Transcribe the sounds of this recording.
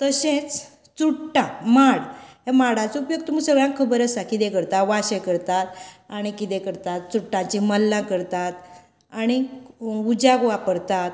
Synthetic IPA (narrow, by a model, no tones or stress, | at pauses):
t̪əsẽt͡s | t͡suʈːãmaɽɦamaɽãt͡supjək̚t̪umusəɡɭjãkkʰːəbəɾəsakit̪ɛ̃kəɾt̪aʋaɕẽkəɾt̪at̪aɽ̃ikit̪ɛ̃kəɾt̪at̪̚t͡suʈːãt͡ɕiməlːãkəɾt̪at̪ | aɽ̃iud͡ʑaɡʋapəɾt̪at̪